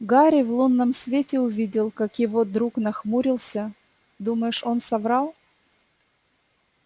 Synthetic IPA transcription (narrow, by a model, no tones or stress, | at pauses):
ɡaɾʲɪvlˠunːəmsvʲetʲɪʊvʲidʲɪlˠkakjɪvod̪ɾuknɐxmuɾʲɪlˠsʲə | d̪uməjʊʂo̞nsɐvɾɑlˠ